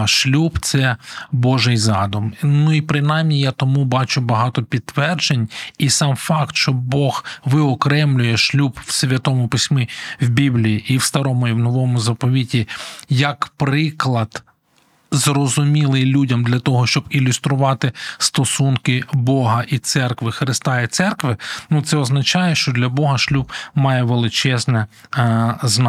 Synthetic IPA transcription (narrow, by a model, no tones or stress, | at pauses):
ʃlʲubt̪sɛbɔʒɪjzɑd̪ʊmnuipɾɪnɑjmnʲijat̪ɔmubɑt͡ʃʊbɐɦɑt̪ɔpʲid̪̚t̪ːʋɛrd͡ʒenʲisɑmfɑkt̪ʃt͡ʃt͡ʃɔbɔxʋɪɔkɾɛmlʲʊjɛʃlʲubwsʲʋʲɐt̪ɔmʊpɪsʲmɪwbʲiblʲijiʔiwst̪ɐɾɔmʊiwnɔʋɔmʊzɐpɔʋʲitʲijɐkpɾɪklˠɐd̪̥ | zrɔzʊmʲilˠɪjlʲudʲɐmd̪lʲɐt̪ɔɦɔʃt͡ʃɔbilʲʊst̪ɾʊʋɑt̪ɪst̪ɔsunkɪbɔɦɐʔit̪sɛrkʋɪxɾɪst̪ɑit̪sɛrkʋɪnut̪sɛɔznɐt͡ʃɑjɛʃt͡ʃɔd̪lʲɐbɔɦɐʃlʲubmɑjɛʋelˠɪt͡ʃɛznɛ | zn